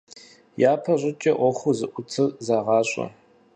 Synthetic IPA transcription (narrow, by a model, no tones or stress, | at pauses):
jaːpʰɐɕʼɪt͡ʃʼɐʔʷɔχʷuzɨʔʷʊt͡sʰɨrzaʁɑːɕʷʼɐ̰